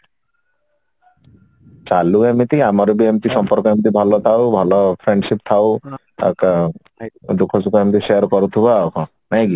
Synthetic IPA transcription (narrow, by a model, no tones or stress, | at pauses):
t͡ʃaluemit̪iamaɾubiemt̪isɔmpɔɾkɔemt̪̬ibʱɔlɔt̪ʰawbʱɔlɔpʰɾeɳɖsip̚t̪ʰaw | a̰ka | d̪ukʰːɔsukɔemt̪iʃeaɾkɔɾut̪ʰubawkʰɔ̃ | najki